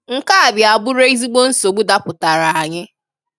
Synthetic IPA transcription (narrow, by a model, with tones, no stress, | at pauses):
ŋ̩˦ka˦a˨bja˨bʊ˦ɾe˦i˦zi˦ɡ͡bo˦n̩˦so˨ɡ͡bu˦da˦pʊ˨ta˨ɾa˨a˨ɲɪ˦